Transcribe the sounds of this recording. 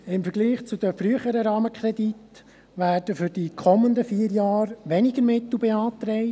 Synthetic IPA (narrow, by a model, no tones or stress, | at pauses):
ɪmfəɾɡliːχt͡sʊd̪əfɾyəχəɾəɾɑːməkʰɾɛdit̪ | ʋæːrdəfʏɾd̥ikʰɔmːənd̪əfiːəɾjɑːɾʋɛnɪɡəɾmɪt̪l̩ˠbɛɑːt̪ɾɛɪ